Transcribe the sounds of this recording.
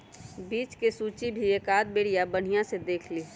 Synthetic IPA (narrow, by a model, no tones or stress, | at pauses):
biːt͡ʃkesuːt͡ʃibʱieːkaːd̪̚beːɽijabəɽ̤ijãsed̪eːkʰliː